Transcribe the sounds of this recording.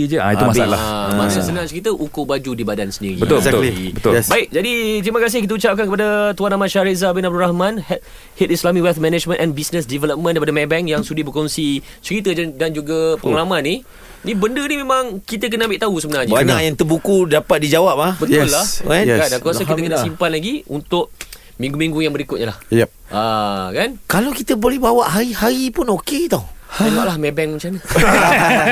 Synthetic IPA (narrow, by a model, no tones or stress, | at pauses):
id͡ʒəaiumaa̰la̰amasasənãŋt͡ʃəɾit̪əʔukobad͡ʒudibadansəndḭɾḭəziḭbəʊlɛbaɪk̚d͡ʒadit̪ɾimakas̬ɪhkit̪əut͡ʃap̚kankəpadat̪uanamaʃaɾezabinab̚duɾahmãnhɛt̪ | hɛt̪̚islamikwɛlt̪̚mɛ̃nɛd͡ʒmə̃nʔɛnbisnəsdivɛləp̚mə̃ndajpadamɛ̃bɛŋjaŋsudibəkɔnsi | t͡ʃəɾit̪əd͡ʒdand͡ʒuɡapəŋəlamãnːi | nibəndənimemaŋkit̪ək̬ənəãmbɪʔt̪ausəbənaɲəbaɲakjaŋt̪əbukudapat̪̚did͡ʒawap̚abət̪ʊlːahakandankuataiəkənəsimpanlaɡiunt̪ʊʔ̚ | mĩŋɡumĩŋɡujaŋbəɾikʊt̪̚ɲəlahj | ʔakankalawkit̪əbolɛhbawaʔɦaɾihaɾipʊnoket̪awwaʔlahmɛbɛŋm̃t͡ʃamɲa